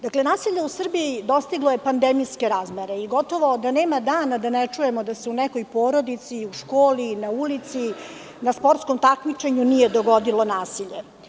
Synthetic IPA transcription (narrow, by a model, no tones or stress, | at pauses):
d̪akle̞naːsiʎe̞usr̩biid̪o̞st̪iɡlˠoje̞pand̪emijske̞ɾaːzmeɾe̞iɡo̞t̪oʋo̞d̪aneːmad̪aːnad̪anɛt͡ʂujemod̪aseunɛkojpo̞ːɾo̞d̪it̪siuʃkoːlinaulit̪si | naspoɾt̪sko̞mt̪akmit͡ʃe̞ɲunijed̪oɡod̪ilo̞naːsiʎe